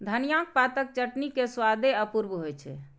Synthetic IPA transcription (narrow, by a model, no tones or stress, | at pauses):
d̪ʱənijãk̚pat̪ək̚t͡ʃəʈnikeswad̪eəpuɾbɦojt͡ʃʰɛ̰